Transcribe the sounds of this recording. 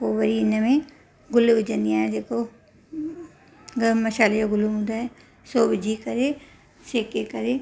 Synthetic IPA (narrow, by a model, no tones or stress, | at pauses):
oʋɐɾiɪnəmẽ | ɡʊlbd͡ʒɐnijãːd͡ʒeːko | ɡmɐʃaːlejoɡʊlmũd̪aɦɛ | soːbɪd͡ʒʱikɐɾe | seːkekɐɾe